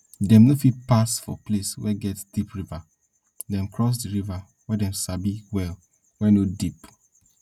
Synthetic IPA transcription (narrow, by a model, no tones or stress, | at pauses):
dɛ̃mnofit̚pasfɔ̰pleswɛɡɛtsd̥ipɹiva | dɛ̃mkɹɔs̬diɹiva | wɛdɛ̃msabiwɛl | wɛnodip